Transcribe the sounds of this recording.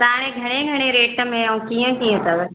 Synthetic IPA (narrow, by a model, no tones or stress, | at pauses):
t̪ãːñẽɡʱɐɽ̃eɡʱɐɽ̃eɾeːʈəmẽũkijə̃kijə̃t̪ɐb